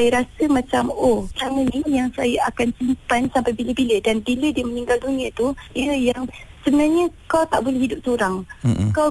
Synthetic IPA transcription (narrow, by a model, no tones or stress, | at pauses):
ajəɾasəmãt͡ʃamoaŋənijaŋsajaakansimpansampajbiləbilədanbilədiəməniŋɡalduɲiãt̪uiəjaŋsəbənarɲəkawt̪aʔbolɛhɦidʊp̚soɾaŋkaw